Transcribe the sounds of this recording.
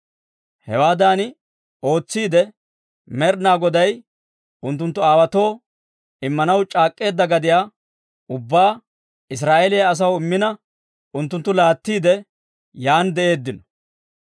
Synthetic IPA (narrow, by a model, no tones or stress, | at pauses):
hɛwaːd̪aːn | o̞ːt͡sːiːd̪ɛ | mɛɾnaːɡɔd̪ɐj | ʊnt̪ːʊnt̪ːʊaːwɐt̪o̞ː | ɪmːɐnɐwt͡ʃʼaːkʼːe̞ːd̪ːɐɡɐd̪ɪjaː | ʊbːaː | ɪs̬ɾaːʔelɪjɐːs̬ɐwɪmːɪnɐ | ʊnt̪ːʊnt̪ːʊlaːt̪ːiːd̪ɛ | jaːnd̪ɛʔe̞ːd̪ːɪnɔ̥